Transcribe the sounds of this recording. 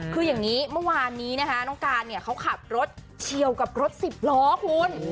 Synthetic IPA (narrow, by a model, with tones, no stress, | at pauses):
kʰɯː˧jaː˨˩ŋniː˦˥mɯ˥˩waː˧nːiː˦˥na˦˥kʰa˦˥nɔː˥˩ŋkaː˧nni˥˩ɐkʰa˦˥wkʰa˨˩t̪̚ɾo˦˥t̪̚ | t͡ɕʰi˨˧əwka˨˩p̚ɾo˦˥t̪̚si˨˩p̚lɔː˦˥kʰu˧n